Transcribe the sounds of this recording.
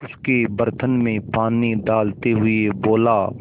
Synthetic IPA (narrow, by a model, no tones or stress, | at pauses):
ʊskebəɾt̪ʰənmẽpaːniɖaːlt̪eɦʊeboːla